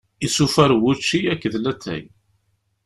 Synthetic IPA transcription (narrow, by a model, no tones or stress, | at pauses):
isufæɾwʊt͡ʃːiækːðlæt̪ʰːæ̰j